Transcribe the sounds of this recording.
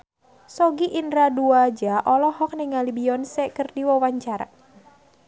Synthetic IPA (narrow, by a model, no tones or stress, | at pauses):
sɔɡiʔindɾaduad͡ʒaʔɔlɔɦɔk̚niŋalibiɔnsɛkərdiwɔwaɲt͡ʃaɾa̰